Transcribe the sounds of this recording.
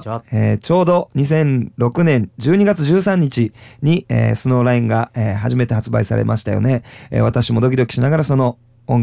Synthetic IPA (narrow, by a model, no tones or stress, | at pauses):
eːt͡ɕo̞ːd̪o̞ɲ̟is̬ẽ̞nɾo̞kɯ̟nẽ̞ɲd͡ʑɨːɲ̟iɡat͡sɨʑɨːsãɲ̟ːit͡ɕiɲ̟iḛːsɨno̞ːɾaĩŋɡaeːɦaʑime̞t̪e̞ɦat͡sɨba̰isa̰ɾe̞̰ma̰ɕi̥t̪ajo̞̰ne̞ḛːβat̪aɕimo̞d̪o̞kʲid̪o̞kʲi̥ɕinaɡaɾasono̞ | õŋ